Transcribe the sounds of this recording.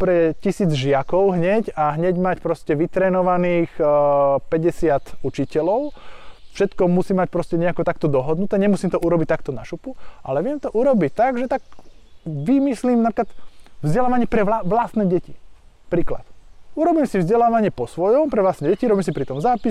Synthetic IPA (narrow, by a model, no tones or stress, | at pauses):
pɾɛcisiːd͡zʒɪakɔʊɦɲɛɟaɦɲɛɟmacpɾɔscɛʋit̪ɾɛːnɔʋaniːx | pɛɟɛsɪat̪ut͡ʃicɛlɔʊfʃɛt̪kɔmusiːmːac̚pɾɔscɛɲɛakɔt̪akt̪ɔd̪ɔɦɔd̪nut̪ɛːɲɛmusiːmt̪ɔʔuɾɔbic̚t̪akt̪ɔnaʃupuʔalɛʋɪɛmt̪ɔʔuɾɔbict̪aɡʒɛt̪ak̚ | ʋimisliːmnapɾiklat̪vzɟɛlaːʋaɲɪɛpɾɛaʋlast̪nɛɟɛci | pɾiːkla̰t̪uɾɔbiːmsivzɟɛlaːʋaɲɪɛpɔsʋɔjɔmpɾɛʋlast̪ɛɟɛciɾɔbiːmsipɾit̪ɔmzaːpis